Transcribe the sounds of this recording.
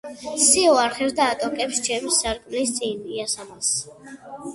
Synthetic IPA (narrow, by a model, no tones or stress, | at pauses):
siɔaɾχɛɾd̪aːt̪ʼɔkʼɛpʃt͡ʃʰɛmsaɾkʼmlist̪sʼiniasamas